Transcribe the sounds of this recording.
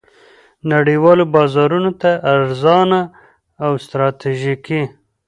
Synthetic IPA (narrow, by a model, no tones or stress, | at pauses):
naɽiwɑlobɑzɑɾunot̪aʔːɾzɑnaː | wst̪ɾɑt̪iʒiki